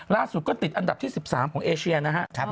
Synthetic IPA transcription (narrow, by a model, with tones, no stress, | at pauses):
laː˥˩su˨˩kɔː˥˩t̪i˨t̪ʔa˧nda˨˩p̚t̪ʰiː˥˩si˨˩p̚saː˩˦mkʰɔ˩˦ŋʔeː˧sʰi˧ɐ˧na˦˥kʰa˦˥ʔʰ